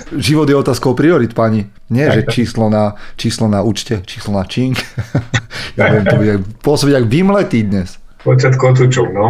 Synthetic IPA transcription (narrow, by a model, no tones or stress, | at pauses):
ʒiʋɔd̪jɛɔt̪aːskɔʊpɾiɔɾit̪paɲi | ɲɪɛʒɛt͡ʃiːslɔnat͡ʃiːslɔnauːt͡ʃcɛt͡ʃiːslɔnat͡ʃiŋk | jaʋʋɛmt̪ɔbuɟɛaɡpʊɔsɔbiɟaɡʋimlɛt̪iːd̪ɲɛs | pɔt͡ʃat̪kɔt̪̬ut͡ʃunɔ